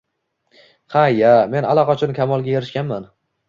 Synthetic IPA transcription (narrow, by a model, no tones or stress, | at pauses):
hajame̞nalˠɒqɑt͡ʃʰʊnɪkʲʰamɒlˠɡʲajeɾɪʃkʲanman